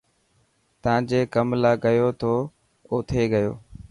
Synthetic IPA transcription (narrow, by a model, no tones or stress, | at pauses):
t̪əãːd͡ʒeːkəmlaːɠəjoːt̪ʰoː | oːt̪ʰeːɠəjo̰ː